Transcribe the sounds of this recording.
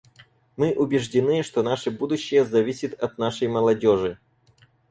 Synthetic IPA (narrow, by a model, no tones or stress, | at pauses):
mɨʔʊbʲɪʐdʲɪnɨʂt̪onaʂɨbud̪ʊɕːɪjəzɐvʲisʲɪt̪ɐt̪naʂəjməlˠɐdʲoʐɨ